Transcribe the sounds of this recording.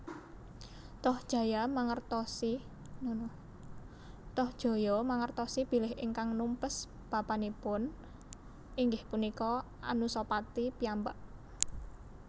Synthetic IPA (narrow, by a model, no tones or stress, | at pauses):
t̪ɔhd̥ʒ̥a̤jamaŋərt̪ɔsi | nn | t̪ɔhd̥ʒ̥o̤jɔmaŋərt̪ɔsib̥i̤lɪɦʔɪŋkaŋnumpəs | b̥a̤panipʊn | ʔiŋɡɪhpunikɔʔanusopat̪ipiambaʔ